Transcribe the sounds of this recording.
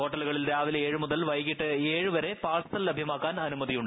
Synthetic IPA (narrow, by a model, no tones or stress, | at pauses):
ɦo̞ːʈːɐluɣɐɭilɾaːʋileːɻɨmuðɐlʋɐjkːiʈːɨeːɻɨʋɐɾe̞paːsɐ̥t̪ɐllːɐbʱjɐmaːkːaːnɐnumɐðijuɳɖɨ